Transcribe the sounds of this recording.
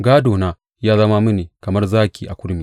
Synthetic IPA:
ɡaː˦doː˨na˦ | jaː˦zɐ˦ma˦mɨ˦niː˨kɐ˨mɐ˦rzaː˦kʲiː˨ʔa˨kʷʊ˦ɽmiː˨

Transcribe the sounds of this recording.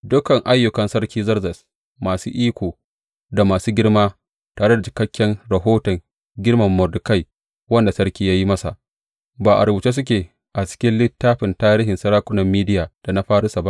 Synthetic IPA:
dʊ˦kɐ˨ŋʔa˦jːʊ˨kɐ˨nsɐ˦rkʲiː˦zɐ˦rzɐ˨s | maː˨suː˦ʔiː˦kʷoː˨ | da˨maː˨suː˦ɡʲɪ˦ɽmaː˦ | taː˨ɽe˦da˨t͡ʃɪ̥˨kɐ˦kʲːɛ˦ŋɽɐ˨ɦoː˦tɐ˨ŋ | ɡʲɪ˦ɽmɐ˨mːɔ˨rdʊ˨ka˦˨j | wɐ˦nda˨sɐ˦rkʲiː˦jaː˦ji˦mɐ˦sa̰˨ʔ | baː˨ʔa̰˨ɽbu˨t͡ʃeː˦s̬ʊ˦k̬ʲeː˨ | ʔa˨t͡ʃɪ̥˦kʲɪ˦nlɪ˦tːaː˦ɸɪ˨ntaː˦ɾiː˦ɦɪ˨nsɐ˦ɾaː˦kʷʊ˦nɐ˨mːiː˦dɪ˦jaː˨d̥a˨na˦ɸaː˦ɽɪ˦sa˨ba˦ʔ

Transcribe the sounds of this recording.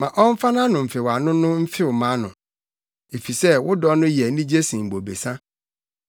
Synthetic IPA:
mã˨ʔɔ˦m̩˦fa˦nã˦nʊ̃˨m̩˨fɪ˨wa˨nʊ̃˦nʊ̃˦m̩˦fɪ˦wʊ˨mã˨˦nʊ̰̃˨ | e˨fi˨sɛ˦wʊ˦dɔ˦nʊ̃˦jɛ˨nĩ˦d͡ʑe˦sĩ˨m̩˨bo˨be˨sã˦

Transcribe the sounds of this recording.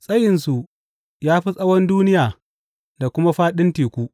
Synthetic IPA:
sʼɐ˦jɪ˨nsu˨ʔ | jaː˦ɸi˦sʼɐ˦wɐ˦nduː˦nɪ˦jaː˨ | da˨kʷʊ˦ma˦ɸaː˦ɗɪ˦ntiː˨kʷu˦ʔ

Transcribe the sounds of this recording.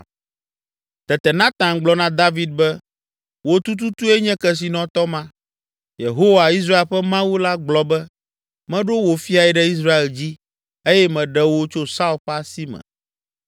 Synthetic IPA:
t̪ɛ˨t̪ɛ˨nã˦t̪ã˨nɡ͡blɔ˦nã˦d̪a˦vi˨d̪̚bɛ˦ | wo˦t̪u˦t̪u˦t̪u˦ɛ˦ɲɛ̃˦kɛ˨s̬i˨nɔ̃˦t̪ɔ˦mã˦ | je˨ɦo˦wa˨i˦s̬ɾa˦e˨lɸɛ˦mã˦wu˦la˦ɡ͡blɔ˨bɛ˦ | mɛ̃˦ɖo˦wo˨fi˦a˨ɛ˨ɖɛ˦i˦s̬ɾa˦e˨ld͡ʑi˦ | e˦jɛ˦mɛ̃˨ɖɛ˦wo˦t͡ʃo˦sa˦u˨ɸa˦si˦mɛ̰̃˨

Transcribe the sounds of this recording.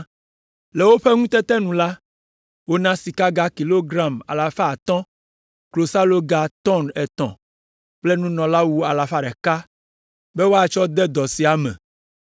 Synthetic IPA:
le˨wo˦ɸe˦ŋũ˦t̪ɛ˦t̪ɛ˦nũ˨la˦ | wo˦nã˦si˨ka˦ɡa˦ki˨lo˦ɡɾã˦˨ma̰˨la˨fa˦˨t̪ɔ̃˦ | klo˨sa˦lo˦ɡa˨t̪ɔ˦nɛ˨t̪ɔ̰̃˨ | ple˦nũ˦nɔ̃˨la˦wu˦a˨la˨fa˦ɖɛ˨ka˦ | be˦wo˦a˦˨t͡ʃɔ˦d̪ɛ˦d̪ɔ˨si˨a˨mɛ̰̃˨

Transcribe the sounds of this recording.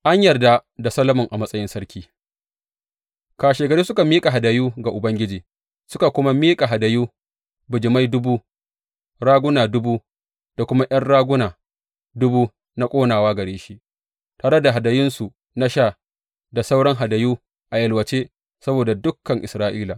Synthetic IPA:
ʔa˦ɲjɐ˨rda˦da˨sɐ˦lɐ˦mʊ˨ŋʔa˨mɐ˦sʼɐ˦jɪ˦nsɐ˦ɽkʲʰiː˦ | kaː˨ʃeː˨ɡɐ˨ɽɾeː˦sʊ˦ka˨miː˦kʼa˨ɦa˨dɐ˨juː˦ɡa˨ʔʊ˨bɐ˦ŋɡʲɪ˦d͡ʒiː˨ | sʊ˦ka˨kʷʊ˦ma˦miː˦kʼa˨ɦa˨da˨juː˦ | bʊ˨d͡ʒɪ˨ma˦jdʊ˦buː˦ | ɽaː˦ɡʷʊ˦naː˨dʊ˦buː˦ | d̥a˨kʷʊ˦ma˦ʔɐ˦nɽaː˦ɡʷʊ˦naː˨ | dʊ˦buː˦ | na˦kʷʼoː˦naː˨waː˦ɡɐ˨ɽeː˦ʃi˦ʔ | taː˨ɽɐ˦da˨ɦa˨da˨jɪ˦nsu˨ | na˦ʃaː˦˨ | da˨sa˦wɽɐ˦ŋɦa˨dɐ˨juː˦ | ʔa˨jɐ˨lwɐ˨t͡ʃe˦ | sɐ˦boː˨da˨dʊ˦kːɐ˨ŋʔɪ˨sɾaː˦ʔiː˦la˨

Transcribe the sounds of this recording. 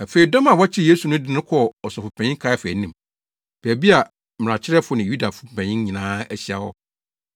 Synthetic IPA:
æ˨fe˨i˨dɔ̃˦ma˨wɔ˦t͡ɕʰɪ˦je˦su˨nʊ̃˦dɪ˦nʊ̃˦kʰɔ˦˨ɔ˨sɔ˨fʊ˨pʰɛ̃˨ɲɪ̃˦ŋkʰa˦ɛ˦fɛ˨nĩ˨m | b̥æ˨bi˦a˨ | m˨ɾã˨t͡ɕʰɪ˦ɾɛ˦fʊ˦nɪ̃˨ju˦da˨fʊ˦˨pʰɛ̃˨ɲɪ̃˦ɲĩ˨nãː˦æ˦ɕi˦a˨hɔ˦

